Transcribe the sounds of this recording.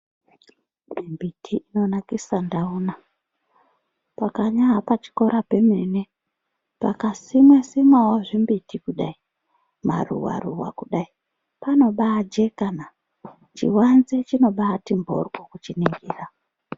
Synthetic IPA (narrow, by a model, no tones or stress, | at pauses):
mimbitʰiino̞nakisandauːna | pakaɲaɦapat͡ʃi̥ko̞ɾʔape̞mene | pa̰kasimesimawaʐimbitikuɗai | ma̰rṵwa̰ruwa̰kuɗai | pano̞ɓaːd͡ʒekana | t͡ʃḭwanzet͡ʃino̞ɓaːtimbʱo̞̰rɡokut͡ʃiniŋɡiːra